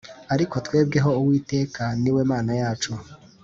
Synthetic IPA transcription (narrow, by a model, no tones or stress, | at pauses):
aɾiko̞twe̞ːb̚ɡe̞ɦo̞uwiːte̞ːkaniwe̞ːmaːnajaːt͡ʃo